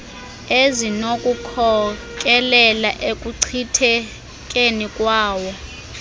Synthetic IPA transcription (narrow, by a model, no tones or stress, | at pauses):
ezinokʼukʰɔkʼɛlɛlaʔekʼuǀʰitʰɛ | kʼenikʼwaːwɔ